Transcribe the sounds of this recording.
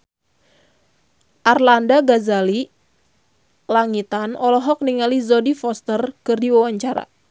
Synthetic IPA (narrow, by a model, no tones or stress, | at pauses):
ʔarlandaɡazali | laŋit̪anɔlɔɦɔk̚niŋalizɔdifɔst̪ərkɨrdiwawaɲt͡ʃaɾa̰